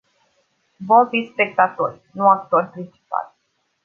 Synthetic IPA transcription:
vo̞mfispe̞k̚t̪at̪o̞rʲnuakt̪o̞rʲpɾint͡ʃi̥pa̰l

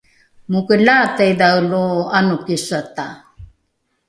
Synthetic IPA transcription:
mukəlatajdawluanukisata

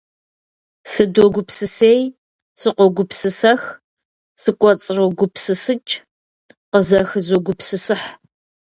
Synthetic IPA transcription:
sɨdoɡʷʊpsɨseːj | sɨqʷɔɡʷʊpsɨsɐx | sɨkʷʼɔt͡sʼroɡʷʊpsɨsɨt͡ʃʼ | qəzɐxzoɡʷʊpsɨsɨħ

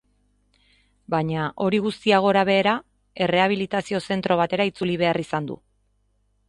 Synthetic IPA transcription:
baɲaʔo̞ɾiɣust̪iaɣ̞o̞ɾaβe̞ːɾa | e̞re̞aβ̞ilit̪asio̞se̞nt̪ɾo̞β̞at̪e̞ɾait͡suliβ̞e̞arisand̪ṵ

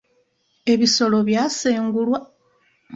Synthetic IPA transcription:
e̞βiso̞lo̞βjaːseːŋɡulwa

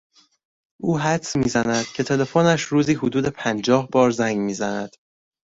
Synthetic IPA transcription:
ʔuːɦæt̪smiːzænæd̪̥cʰe̞t̪ʰe̞le̞fonæʃɾuːziːɦod̪uːd̪e̞pʰænd͡ʒɒːhbɒːɾzæŋɟmiːzænæd̪̥

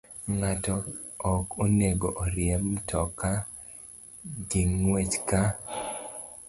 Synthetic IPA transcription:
ŋatɔɔkoneɡoʔoɾjɛmtʰɔka | ɡiŋwet͡ʃka

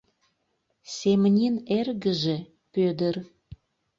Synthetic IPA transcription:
semnʲinerɣəʒe | pød̪ər

